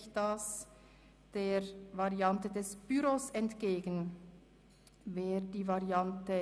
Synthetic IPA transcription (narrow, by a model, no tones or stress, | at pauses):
çd̥as | d̥eːɾvaʁiɑntədɛsb̥yɾosɛntɡ̥eːɡən̩ | veːd̥iːvaʁiantə